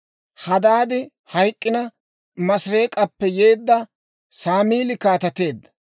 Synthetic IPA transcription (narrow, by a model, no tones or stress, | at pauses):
hɐd̪aːd̪ɪ | hɐjkʼːɪnɐ | mɐsɾe̞ːkʼɐpːɛje̞ːd̪ːɐ | saːmiːlɪkaːt̪ɐt̪e̞ːd̪ːɐ̥